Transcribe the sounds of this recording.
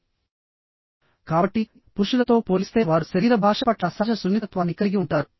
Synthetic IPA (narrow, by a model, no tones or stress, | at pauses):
kaːbɐʈːi | puɾʂulɐt̪oːpoːlist̪eːʋaːɾusɐɾiːɾɐbʱaːʂɐpɐʈːɐsaːʃɐsunːit̪ɐt̪ʋaːnikːɐɾiɡiuɳʈːaːɾu